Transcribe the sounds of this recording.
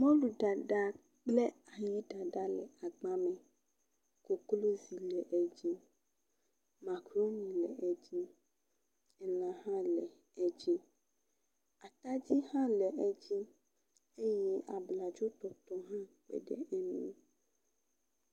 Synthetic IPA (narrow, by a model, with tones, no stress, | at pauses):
mɔ̃˦lu˨ɖa˨ɖa˦ | k͡ple˦a˨ji˦ɖa˨ɖa˦lɛ̰˨a˨ɡ͡ba˦mɛ̃˨ | ko˨klo˦zi˨lɛ˨ʔɛ˦d͡ʑi˦ | ma˨kɾo˦nĩ˨lɛ̰˨ʔɛ˦d͡ʑi˦ | ɛ˨lã˨ɦã˦lɛ˨ | ɛ˦d͡ʑi˦ | a˨t̪a˦d͡ʑi˦hã˦lɛ˨ʔɛ˦d͡ʑi˦ | e˦jɛ˦ʔa˨bla˨d͡ʒo˦t̪ɔ˨t̪ɔ˦ɦã˦k͡pḛ˨ɖɛ̰˨ʔɛ˦nṵ̃˦˨